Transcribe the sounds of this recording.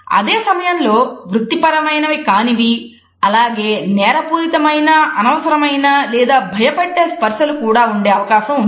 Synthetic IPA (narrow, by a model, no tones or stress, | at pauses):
ɐ̰d̪eːsɐmɐjɐnlo̞ːʋɾut̪ːipɐɾɐmɐjnɐʋikaːniʋi | ɐlaːɡe̞ːnɛːɾɐpuːɾit̪ɐmɐjnɐɐnɐʋɐsɐɾɐmɐjnɐlɛːd̪aːbʱɐjɐpɐʈːeːspɐɾʃɐlukuːɽaːuɳɖe̞ːɐʋɐkaːʃɐmun